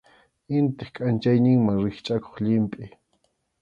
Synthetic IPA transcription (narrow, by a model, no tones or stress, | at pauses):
ɪnt̪ɪχkʼant͡ʃajnɪŋmaŋɾɪχt͡ʃʼako̥χʎɪmpʼɪ